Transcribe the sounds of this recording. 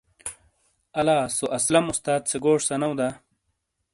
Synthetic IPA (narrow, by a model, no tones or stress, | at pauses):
ɐlaːsoʔɐslɐmust̪aːt̪̚t͡seɡoːʂsɐnɐwd̪a